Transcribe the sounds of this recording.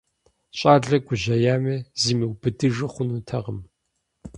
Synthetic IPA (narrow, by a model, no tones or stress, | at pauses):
ɕʼaːɮɐɡʷʊʑɐjaːmɐziːmɨwbɨdɨʐɨχʷʊnutʰɐʁəm